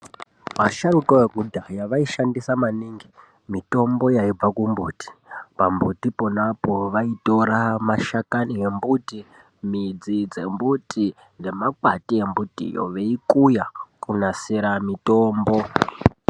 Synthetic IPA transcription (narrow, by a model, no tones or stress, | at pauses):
maʃaɾukoeɡʱudʱajaʋaiʃandisamaniːŋɡi | mito̞mbo̞jaib͡vakumbuːti̥pambutipo̞napoʋaito̞ɾamaʃakanie̞mbuti | mid͡zid͡ze̞mbuti | ŋɡe̞makwatie̞mbutḭjo̰ʋe̞ikujakunasiɾamito̞ːmbo